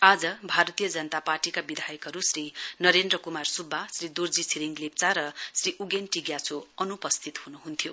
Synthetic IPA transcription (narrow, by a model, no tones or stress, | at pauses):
ad͡zʌbʱaɾʌt̪ijʌd͡zʌnʌt̪aparʈikabid̪ʱajʌkɦʌɾusɾinʌɾend̪rʌkumarsubʱːasrid̪urd͡zisiɾiŋɡlep̚t͡saɾʌsriʔuɡenʈiɡjat͡sʰoʌnupʌst̪ʰit̪hunuɦunt̪ʰjo